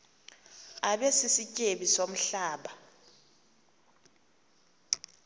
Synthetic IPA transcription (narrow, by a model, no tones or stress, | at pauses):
aɓesisicʼeɓisom̩ɬaːɓa